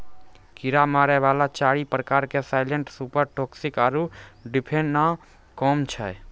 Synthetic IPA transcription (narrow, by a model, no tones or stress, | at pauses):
kɪɾamaːɾɛʋaːlat͡ʃaːɾipɾəkaːɾkesaːɪlə̃ɳʈsupəɾʈoːksikaːɾuɖɪpʰẽɳɖna | kɔːmt͡ʃʰɛ̰